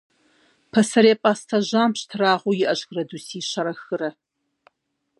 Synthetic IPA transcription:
pʰɐsɐɾeːpʼaːstʰaʑaːmɕtʰɨraːʁʷujɪʔɐɕxrɐduːsiːɕɐɾɐxɨɾɐ

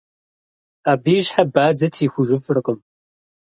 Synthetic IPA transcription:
aːbiːʒħabaːd͡zɐtʰiːxʷʊʒɨfrɨqʼəm

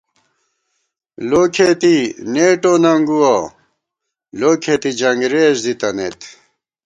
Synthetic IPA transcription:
loːkʰet̪ineːʈonɐŋɡuwa | loːkʰet̪id͡ʑɐŋɡɾeːɕd̪it̪ɐnḛt̪

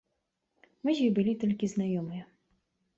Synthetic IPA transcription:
mɨzʲibɨlʲit̪ɔlʲkʲiznajɔmɨjɐ

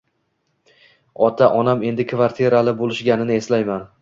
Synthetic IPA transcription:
ɒt̪ʰaʔɒname̞nd̪ɪkʰvaɾt̪ʰijeɾalɪbolɪʃɡʲanɪnɪe̞slajman

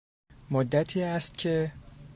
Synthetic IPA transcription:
mod̪ːæt̪ʰiːæst̪̚cʰe̞

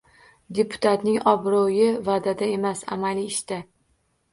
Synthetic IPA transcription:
d̪e̞pʰʊ̥t̪ʰat̪nɪŋɒbɾɒjɪvad̪ad̪ae̞masa̰maliːʃt̪a

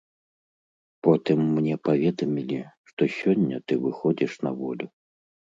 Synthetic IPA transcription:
pɔt̪ɨmːnʲɛpavʲɛd̪ɐmʲilʲiʂt̪ɔsʲɔnʲːɐt̪ɨvɨxɔd͡zʲiʂnɐvɔlʲu

